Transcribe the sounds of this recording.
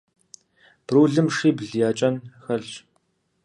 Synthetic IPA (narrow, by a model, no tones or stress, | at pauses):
b̥ruːɮɨmʂiːbɮjaːt͡ʃʼɐnxɐɮ